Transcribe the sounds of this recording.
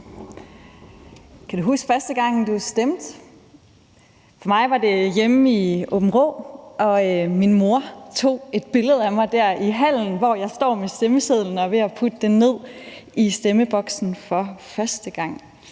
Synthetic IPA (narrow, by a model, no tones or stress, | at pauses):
kʰæd̥uɦusɡ̥fɶɐsd̥əɡ̥ɑ̈ŋ̰d̥usd̥emd̥ | fɒ̽mɑ̈ɪʋɑ̈d̥e̝jemiob̥m̩ʁɔ̰ʔɒ̽minmo̝ɐt͡sʰo̝̰ːe̝d̥̚b̥e̝ləð̞̩ˠæmɑ̈ɪd̥æɐ̰iɦæl̰n̩ʋɒjɑ̈ɪsd̥ɒ̰ːmesd̥eməseð̰ˠln̩ɒ̽ʋe̝æpʰud̥əd̥enne̝ð̰ˠisd̥eməb̥ɒ̽ɡ̥sn̩fɒ̽fɶɐsd̥əɡ̥ɑ̈ŋ̰